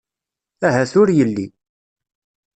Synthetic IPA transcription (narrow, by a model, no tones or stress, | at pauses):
æɦæθʊɾjəlːi